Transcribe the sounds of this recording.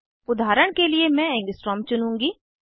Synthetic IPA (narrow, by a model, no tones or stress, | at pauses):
ʊd̪ʱaːɾəɽ̃keliemɛ̃ɛ̃ːŋɡɪsʈɾɔːmt͡ʃʊnũːŋɡiː